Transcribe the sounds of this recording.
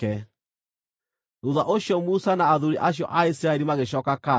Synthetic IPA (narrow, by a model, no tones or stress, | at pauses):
ɛ | ɾuðaʔoɕjɔmusanaːðuɾiʔaɕjɔ̰ʔaisiɾaɛɾimaɣeɕ̬ɔːkaka